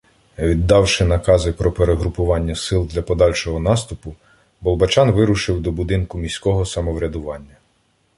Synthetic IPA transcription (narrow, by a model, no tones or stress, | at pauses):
ʋʲid̪ːɑwʃɪnɐkɑzɪpɾɔpeɾeɦɾʊpʊʋɑnʲːɐsɪlˠd̪lʲɐpɔd̪ɑlʲʃɔɦɔnɑst̪ʊpʊ | bɔlˠbɐt͡ʃɑnʋɪɾʊʃɪwd̪ɔbʊd̪ɪnkʊmʲisʲkɔɦɔsɐmɔʋɾʲɐd̪ʊʋɑnʲːɐ